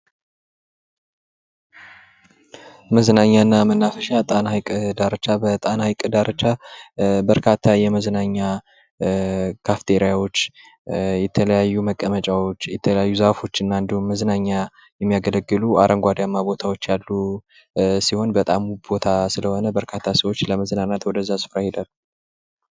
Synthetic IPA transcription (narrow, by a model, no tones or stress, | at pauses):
məznaɲːaɨnːamənːafəʃat̪ʼanhajkʼd̪aɾət͡ʃabət̪ʼanhajkʼɨd̪aɾʔət͡ʃa | bəɾkʰat̪ʰːajɛməznaɲːa | kʰaft̪ʰeɾijawo̞t͡ʃː | jɛt̪ʰələjajːuməkʼːəmət͡ʃʼawo̞t͡ʃːjɛt̪ʰələjajːuzafo̞t͡ʃːɨnːand̪ihumməznaɲːa | jɛmːijaɡələɡːɨlua̰ɾʔəŋɡʷad̪jamːabo̞t̪ʰawo̞t͡ʃːjalːu | siho̞nbət̪ʼamubo̞t̪ʰasɨləho̞nəbəɾkʰat̪ʰːasəwot͡ʃːləməznanat̪wɔd̪əzːasɨ̥fɾahed̪al